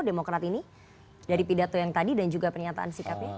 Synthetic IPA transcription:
demokɾat̪ini | daɾipidat̪ojaŋt̪adidand͡ʒuɡapərɲat̪a̰ʔa̰nsikapa

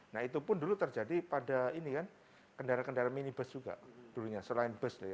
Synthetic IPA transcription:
nahit̪upʊndulut̪ərd͡ʒadipadainikan | kəndaɾakəndaɾaminibəsd͡ʒuɡa̰ʔd̥uɾuɲasəlaɪnbəsdaja

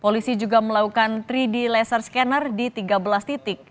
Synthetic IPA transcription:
polisid͡ʒuɡaməlakukant̪ɾidilɛsərskɛnərdit̪iɡabəlast̪it̪ɪk̚

